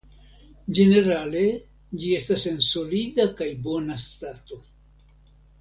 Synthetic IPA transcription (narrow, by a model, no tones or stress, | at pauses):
d͡ʒe̞ne̞ɾale̞ | d͡ʒie̞stase̞nso̞lidakajbo̞nastato̞